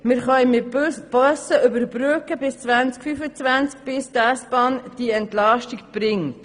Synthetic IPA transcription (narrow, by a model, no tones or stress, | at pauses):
mɪɾχœjmɪb̥œsəʔʏbəɾbɾøkəbɪst͡sʋænt͡skfyfət͡sʋænt͡sk̚b̥ɪst̪æsb̥ɑːnd̥iɛntlɑʃtikb̥ɾɪŋː